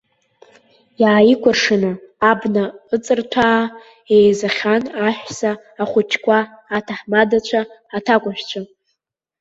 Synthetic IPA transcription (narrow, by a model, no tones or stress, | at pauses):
jaʕikʷʰarʂɨnɨːbnaɨt͡sʼɨrtʰaː | ejzaχʲanaħʷᶣsaː | χʷʊt͡ʃʰkʷʰaːtʰaħmadat͡ʃʷʰaːtʰakʷʼaʃᶣt͡ɕʷʰa